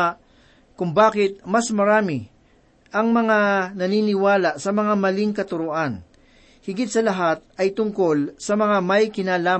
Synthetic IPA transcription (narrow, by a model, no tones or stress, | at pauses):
kʊŋbaːkɪt̪̚mɐsmɐɾaːmɪ | ʔɐŋmɐŋanɐniːnɪwaːlɐsɐmɐŋamɐliŋkɐt̪ʊɾʊʔan | hɪɡɪt̪̚sɐlɐɦat̪̚ɐjt̪ʊŋko̞lsɐmɐŋamɐjkɪnaːlaː